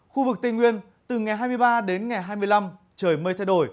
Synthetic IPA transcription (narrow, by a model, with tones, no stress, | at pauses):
xu˧vɨ˨˩k̚t̪ï˨˩ŋwi˧ən | t̪ɨ˨˩ŋa˨˩jɦaː˧jmɨ˧əjɓaː˧ɗe˨˦nŋa˨˩jɦaː˧jmɨ˧əjla˧m | t͡ɕəː˧˩jməː˧jt̪ʰɛ˧jɗo˧˩j